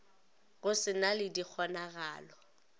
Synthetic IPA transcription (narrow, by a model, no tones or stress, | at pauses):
ɣʊsɪnalɪdik͡xʰɔnaɣaːlɔ